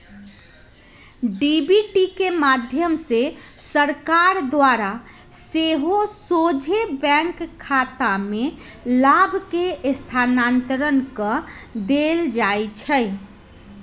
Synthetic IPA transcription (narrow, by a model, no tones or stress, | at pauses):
ɖibiʈikemad̪ʱjəmsesəɾkaɾd̪waɾa | seɦosod͡ʒʱebɛ̃ŋkʰːat̪amelabʱkest̪ʰanant̪əɾənkəd̪eld͡ʒaet͡ʃʰəj